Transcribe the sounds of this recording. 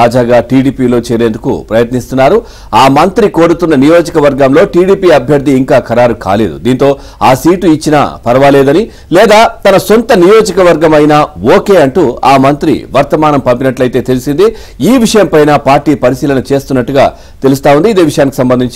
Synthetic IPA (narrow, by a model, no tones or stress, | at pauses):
aːd͡ʒaːɡaːʈiːɽiːpiːlo̞ːt͡ʃeːɾeːnd̪ukṵpɾɐjɐt̪nist̪unːaːɾu | aːmɐnt̪ɾiko̞ːɽut̪unːɐnijo̞ːd͡ʒɐkɐʋɐɾɡɐmlo̞ːʈiːɽiːpiːɐbʱjɐɾd̪ʱiːŋkaːkɐɾaːɾuka̰ːle̞ːd̪ṵd̪iːnt̪o̞ː | a̰ːsiːʈuit͡ʃːina̰pɐɾɐʋaːleːd̪ɐni | lɛːd̪aːt̪ɐnɐsont̪ɐnijoːd͡ʒɐkɐʋɐɾɡɐmɐjnaːoːke̞ːɐɳʈuaːmɐnt̪ɾḭʋɐɾt̪ɐmaːnɐmpɐmpinɐʈlɐjt̪e̞ːt̪e̞lusind̪i | iːʋiʂɐjɐmpɐjnaːpaːɾʈiːpɐɾisiːlɐnɐt͡ʃe̞ːst̪unːɐʈːuɡa̰ː | t̪e̞lust̪aːwund̪iːd̪e̞ːʋiʂɐjaːniki̥sɐmbɐnd̪iɲt͡ʃ